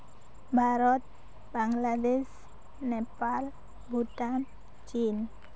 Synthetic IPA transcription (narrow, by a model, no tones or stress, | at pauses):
baɾɔt̪̚ | b̥aŋlad̪ɛs | nepal | but̪an | t͡ʃin